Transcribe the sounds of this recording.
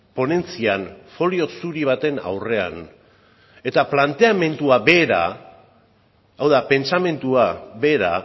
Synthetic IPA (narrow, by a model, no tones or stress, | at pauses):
po̞ne̞nt͡sianfo̞lio̞suɾiβ̞at̪e̞na̰wre̞a̰n | e̞t̪aplant̪e̞ame̞nt̪uaβeːɾa̰ | awðape̞nt͡same̞nt̪uaβe̞ːɾa̰